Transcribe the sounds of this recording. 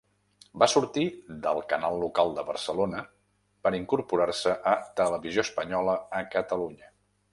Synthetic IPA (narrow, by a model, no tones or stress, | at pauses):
basuɾt̪iðəlˠkənalˠːukalˠd̪əβə̰rsəlonə | pəɾiŋkuɾpuɾarsəʔət̪ələβizioəspəɲɔləəkət̪əluɲə